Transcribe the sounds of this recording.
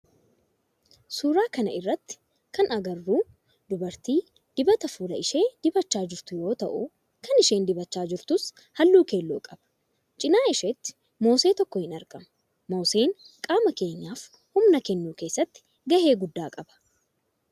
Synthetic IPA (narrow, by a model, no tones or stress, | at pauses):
suːɾaːkɐnɐ̰ɪrːɐt̪ːɪ̥ | kɐnɐɡɐrːuː | d̪ʊbɐɾt̪iː | d̪̥ɪbɐt̪ɐfuːlɐɪʃe̞ːd̪ɪbɐt͡ʃːaːd͡ʒɪɾt̪ʊjo̞ːt̪ɐʔʊ̰ | kɐnɪʃe̞ːnd̪ɪbɐt͡ʃːaːd͡ʒɪɾt̪ʊs | hɐlːuːkeːlːuːkʼɐb̥ɐ̥ | t͡ʃʼɪnaːɪʃet̪ːɪ̥ | mo̞ːse̞ːt̪ɔkːɔhɪnɐɾkɐmɐ | mo̞ːse̞ːŋ | kʼaːmɐke̞ːɲːaːf | hʊmnɐkɛnːuːke̞ːsːɐt̪ːɪ̥ | ɡɐhe̞ːɡʊd̪ːaːkʼɐbɐ̥